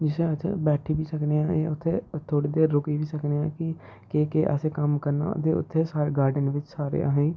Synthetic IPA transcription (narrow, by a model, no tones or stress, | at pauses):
d͡ʒɪsẽət͡ʃʰa̰bɛːʈʰiːbiːsəkneːãːḛːʊt̪ʰːeːt̪ʰoːɽeːd̪eːɾːʊkiːʋiːsəkneːãːkɪ | keːkeːʔə̰seːkəmkəɾna̰ːt̪eːʊ̰t̪ʰːeːsaːɾeɡaːɾɖənʋɪt͡ʃsaːɾḛa̰ːɦeː